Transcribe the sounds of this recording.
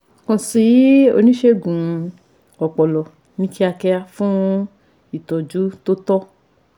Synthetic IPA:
kɔ̃˧si˨˦o̰˧nĩ˦ʃe˦ɡũ˨ | ɔ˨k͡pɔ˨lɔ˨ | nĩ˨˦ki˦a˧kɛ˧a˧fũ˦ | i˨tɔ˨d͡ʒu˨˦to˦tɔ˦

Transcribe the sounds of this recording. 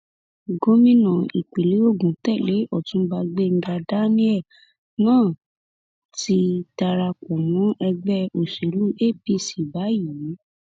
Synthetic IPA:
ɡo˦mĩ˦nã˨i˨k͡pe˨le˨˦o˦˨ɡũ˨tɛ˦˨le˨˦ɔ˦˨tũ˨˦ba˧ɡ͡be˦˨ŋ̩˦ɡa˧da˦nĩ˦ɛ˦˨ | nãː˦˨ | ti˧˦ta˧ɾa˧kɔ˨mɔ̃˨˦ɛ˧ɡ͡bɛ˦o˨ʃe˨˦lu˦ʔe˦˨pi˦si˨ba˨˦ji˨˦

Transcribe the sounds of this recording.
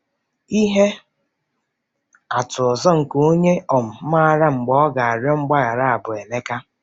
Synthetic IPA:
i˦ɦe˦ | a˨tʊ˨ɔ˨zɔ˦ŋ̩˨ko˦ɲe˦ɔ˨m̩˨˦a˦a˨ɾa˦ŋ͡m̩˨ɡ͡bɔ˦ɔ˦ɡa˨a˨ɾɔ˦ŋ͡m̩˦ɡ͡ba˦ɣa˨ɾa˦a˨bʊ˨e˨ne˦ka˦

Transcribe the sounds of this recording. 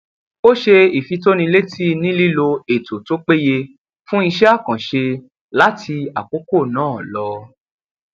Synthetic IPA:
o˦ʃe˧i˨fi˨˧to˦nĩ˧le˦tʰi˦nĩ˦li˦lo˧e˨to˨to˦k͡pe˦je˧ | fũ˦i˧ʃɛ˦a˦˨kã˨ʃe˧ | la˦tʰi˧a˨k͡po˨˦ko˦˨nãː˦˨lɔ˨˧

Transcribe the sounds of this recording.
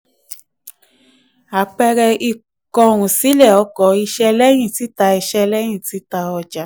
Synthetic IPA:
a˨k͡pɛ˧ɾɛ˧i˧ | kɔ˧˨ɾ̃ũ˨si˨˦lɛ˦˨ɔ˨˧˦kɔ˧˦i˧ʃɛ˦lɛ˦j̃ĩ˦˨ti˨˦ta˧i˧ʃɛ˦lɛ˦j̃ĩ˦˨ti˨˦ta˧ɔ˧d͡ʒa˨˦

